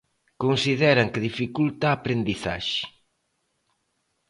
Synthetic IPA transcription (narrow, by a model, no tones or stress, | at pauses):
konsiðɛɾaŋkɪðifikult̪aːpɾend̪iθa̰ʃɪ̥